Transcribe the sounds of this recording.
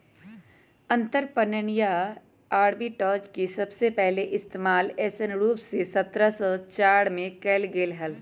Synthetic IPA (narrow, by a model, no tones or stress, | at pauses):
ɐ̃nt̪əɾpənənija | aːɽbiʈɔːt͡ʃkisɐbsepɛɦleʔɪst̪eːmaːlɛːsənɾuːpsesɐt̪ɾasəːt͡ʃaːɽmẽkɛːlɡeːlɦɐl